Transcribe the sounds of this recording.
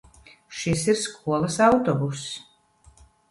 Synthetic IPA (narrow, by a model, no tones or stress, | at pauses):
ʃisiɾskʰuɔlˠɐsawt̪ɔbus